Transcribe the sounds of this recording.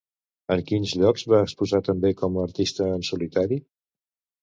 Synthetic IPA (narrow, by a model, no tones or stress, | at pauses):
əŋkinzʎɔkzβaəkspuzat̪əmbekɔmːɾt̪ist̪əːnsulit̪aɾi